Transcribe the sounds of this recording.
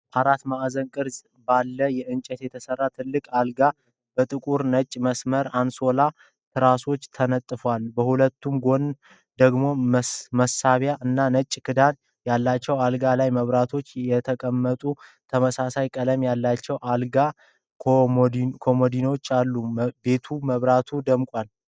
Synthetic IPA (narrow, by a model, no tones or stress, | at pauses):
ʔaɾat̪maʔzənkʼɨɾz | balːəjɛʔɨnt͡ʃʼɛt̪jɛt̪ʰəsərːat̪ʰɨlːɨkʼalɡa | bət̪ʼɨkʼuɾnət͡ʃʼməsməɾanso̞la | t̪ʰɨɾaso̞t͡ʃːt̪ʰənət̪ʼːɨfwalbəhulət̪ːumɡo̞n | d̪əɡmo̞məsaβjaʔɨnːanət͡ʃʼkʰɨd̪an | jalːat͡ʃːɛwalɡalajməβɾat̪ʰo̞t͡ʃːjɛt̪ʰəkʼəmːət̪ʼu | t̪ʰəməsasajkʼələmjalːat͡ʃːɛwʔalɡa | kʰo̞mod̪ino̞t͡ʃːalːube̞t̪ʰuməβɾat̪ʰud̪əmkʼwal